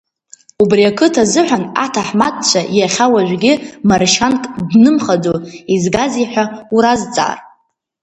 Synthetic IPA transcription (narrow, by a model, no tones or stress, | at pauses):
ubriakʰɨtʰazɨħʷᶣana̰tʰaħmad̚ʼt͡ʃʷʰajaχʲawaʒʷᶣɡʲɪmarʃankʼdnɨmχad͡zoizɡaziħʷᶣauɾazt͡sʼa̰ːr